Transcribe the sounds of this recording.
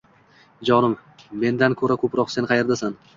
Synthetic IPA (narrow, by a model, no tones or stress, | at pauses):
d͡ʒɒnɪm | me̞nd̪ankʰɵɾakʰɵpɾɒqse̞nqʰɑjeɾd̪asan